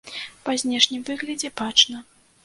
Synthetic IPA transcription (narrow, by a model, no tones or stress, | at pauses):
pazʲnʲɛʂnʲimvɨɣlʲɐd͡zʲɛbat͡ʂnɐ